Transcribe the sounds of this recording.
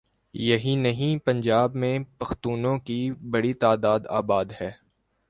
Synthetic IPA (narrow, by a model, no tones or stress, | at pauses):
jɐɦĩnɐɦĩpɐ̃ɲd͡ʒaːbmẽpɐxt̪uːnõkibɐɽit̪aːd̪aːd̪a̰ːbaːd̪hɛː